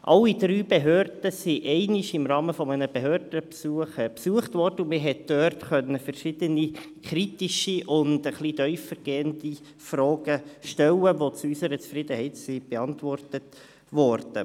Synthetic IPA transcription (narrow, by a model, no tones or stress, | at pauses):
ʔɑ̰lːidɾyːbeɦøːrd̥əsiʔɛɪnɪʃɪmrɑːməfɔmənəb̥eɦøːɾdəpsuəχpsuəχtʋɔrd̥əʊmɪɦɛtd̥øːrtχœnːəfərʃɪd̥̪əni | kɾitiʃiʔʊndəχlidœʏfəɾɡ̥eːəndi | frɑːɡəʃtɛlːəʋot͡suysəɾət͡sfɾɪd̪əhɛɪtsib̥ɛɑntʋɔrtət | ʋɔrd̥ə